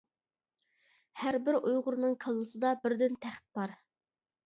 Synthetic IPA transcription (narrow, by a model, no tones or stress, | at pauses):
hæɾbɪɾujʁʊɾnɨŋkʰɑlˠːɨsɨd̪ɑbɪɾd̪ɪnt̪ʰæχt̪̚bɑɾ